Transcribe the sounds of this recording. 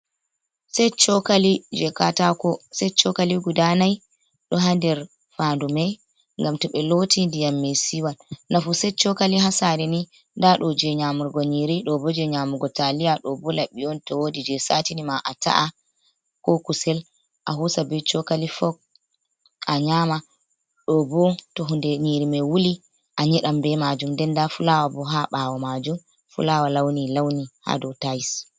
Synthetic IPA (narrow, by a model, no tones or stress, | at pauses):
sɛjt͡ʃɔkalid͡ʒɛkatakɔsɛt͡ʃɔkaliɡudanaj | ɗɔɦandɛɾ | fandumɛj | ŋɡamtɔɓɛlotindijamːɛsiwalnafusɛt͡ʃɔkaliɦasaɾɛni | ndaɗɔd͡ʒɛɲamuɾɡɔɲiɾiɗɔbɔd͡ʒɛɲamuɡɔtalijaɗɔbɔlaɓiɔntɔwodid͡ʒɛsatinimaʔata̰ʔa | kɔkusɛl | ʔaɦusabɛt͡ʃɔkalifɔk̚ | aɲama | ɗɔbɔtɔɦundɛɲiɾimɛwuli | ʔaɲɛɗambɛmad͡ʒumdɛndafulawabɔɦaɓaːwamad͡ʒum | fṵlawalawnilawniha̰dɔtajis